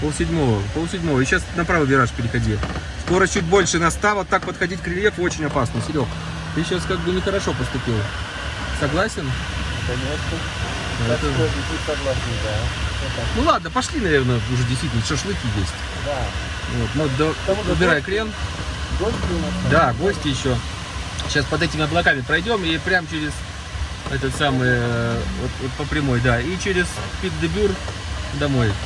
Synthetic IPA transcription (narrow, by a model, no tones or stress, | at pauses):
polˠsʲɪdʲmo̞vəpolˠsʲɪdʲmo̞vəjaɕːasnɐpɾavɨbʲɪɾaʂpʲɪɾʲɪxɐdʲi | sko̞ɾət͡ɕutʲbo̞lʲʂɨnɐst̪avot̪ːak̚pət̪xɐdʲitʲkɾʲɪlʲjefo̞t͡ɕɪnʲɐpasnɨsʲɪɾʲo̞k | t̪ɨɕːaskaɡ̚bɨnʲɪxəɾɐʂo̞pəst̪ʊpʲilˠ | sɐɡlˠasʲɪn | kɐnʲet̪nə | d̪ɐɛt̪əisɐɡlˠasʲɨd̪at̪nulˠad̪̚nəpɐʂlʲinɐvʲe̞rnəʊʐɛdʲɪs̬ʲt̪vitʲlnəʂəʂlˠɨkʲijesʲtʲ | d̪a | vo̞t̪nud̪oʊbʲɪɾajəklʲenɡosʲtʲunɐd̪aɡo̞sʲtʲɪjɪɕːo | ɕaspɐd̪ɛtʲɪmʲɪɐblˠɐkamʲɪpɾɐjdʲo̞mipɾʲamt͡ɕɪɾʲɪz̥ | ɛt̪ət̪samɨjəvo̞t̪vo̞t̪̚pəpɾʲɪmo̞jd̪ait͡ɕeɾʲɪzpʲit̪d̪ɨbʲur | d̪ɐmo̞j